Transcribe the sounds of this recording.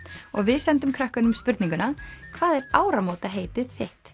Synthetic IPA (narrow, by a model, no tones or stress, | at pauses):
ɔɣvɪðsɛnt̪ʏmkʰɾahkanʏmspʏɾt̪niŋkʏnakʰvaːðɛɾaːwɾamowt̪aɦeːjt̪ɪθeht̪